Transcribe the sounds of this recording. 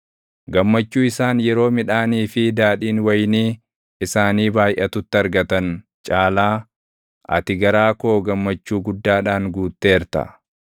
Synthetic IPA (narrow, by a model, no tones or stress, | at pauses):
ɡɐmːɐt͡ʃːuːɪsaːnjɛɾo̞ːmɪᶑaːniːfɪd̪aːᶑiːnwɐjniː | ɪsaːniːbaːjʔɐt̪ʊt̪ːɪɐɾɡɐt̪ɐn | t͡ʃʼaːlaː | ʔɐ̰t̪ɪɡɐɾaːkoːɡɐmːɐt͡ʃːuːɡʊd̪ːaːᶑaːŋɡuːt̪ːe̞ːɾt̪ɐ̰